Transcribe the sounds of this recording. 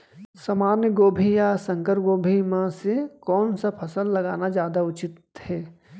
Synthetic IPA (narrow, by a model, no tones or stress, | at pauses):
saːmaːnjəɡoːbʱijasə̃ŋkəɾɡoːbʱimãsekɔːnsapʰəsəlːɐɡaːnad͡ʒjaːd̪aʊt͡ʃɪt̪ | hɛː